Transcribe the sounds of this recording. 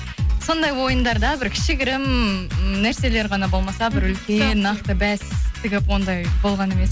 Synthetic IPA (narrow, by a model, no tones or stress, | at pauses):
so̞nd̪ɑjwo̞jənd̪ɑɾd̪ɑbɪɾkʲʰɪ̥ʃɪɡʲɪɾɪm | næɾse̞le̞ɾʁɑnɑbo̞lˠmɑsɑbɪɾʏlkʲenːɑqt̪əbæst̪ʰɪɡʲɪpwo̞nd̪ɑjb̥o̞lˠʁɑne̞me̞s